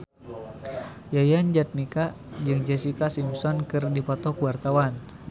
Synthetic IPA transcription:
jajand͡ʒat̪̚nika | d͡ʒɨŋd͡ʒɛsikasimpsɔnkɨrdipɔt̪ɔkuwart̪awan

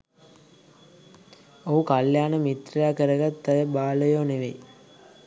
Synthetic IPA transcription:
oɦukaljaːnəmit̪ɾijaːkəɾəɡat̪ːəjəbaːləjoːneʋḛj

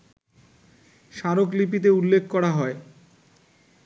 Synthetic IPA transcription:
ʃaɾoklip̬it̪̬eulːekʰːkɔɽaɦɔe

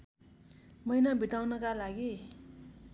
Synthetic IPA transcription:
mʌjnʌbʱit̪awnʌkalaɡi

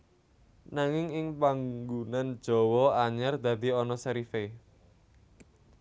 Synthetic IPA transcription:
naŋɪŋɪŋpaŋɡunand̥ʒ̥ɔ̤wɔaɲɛrd̪ä̤d̪i̤ɔnɔsaɾife

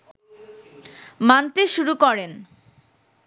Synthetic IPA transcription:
mant̪eʃuɾukɔɾen

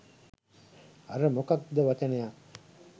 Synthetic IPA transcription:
aɾəmokak̚d̪əʋat͡ʃənəja

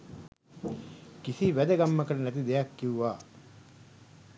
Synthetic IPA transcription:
kisiʋæd̪əɡɐmːəkɐlɐnæt̪̬id̪ejakːiuʋaː

